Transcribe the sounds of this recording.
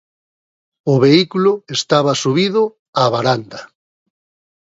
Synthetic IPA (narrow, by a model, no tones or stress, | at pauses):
ʊβeikulʊest̪aβasuβiðʊ | aβaɾand̪ɐ